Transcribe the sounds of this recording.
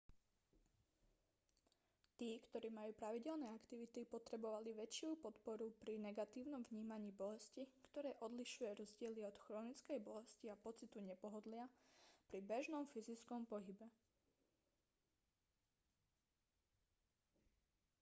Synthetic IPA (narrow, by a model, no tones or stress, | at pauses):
t̪iːkt̪ɔɾiːmajuːpɾaʋiɟɛlnɛːakt̪iʋit̪ipɔt̪ɾɛbɔʋaliʋɛt͡ʃɪupɔt̪pɔɾupɾinɛɡat̪iːʊnɔmvɲiːmaɲiːbɔlɛscikt̪ɔɾɛːʔɔd̪liʃujɛɾɔzɟɪɛliɔt̪xɾɔːnit͡skɛjbɔlɛsciapɔt͡sit̪uɲɛpɔɦɔd̪lɪapɾibɛʒnɔmfizit͡skɔmpɔɦibɛ